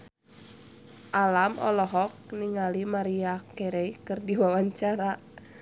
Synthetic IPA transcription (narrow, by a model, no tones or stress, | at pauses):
ʔalamɔ̰lɔɦɔk̚niŋalimaɾiakɛɾɛikɨrdiwawaɲt͡ʃaɾa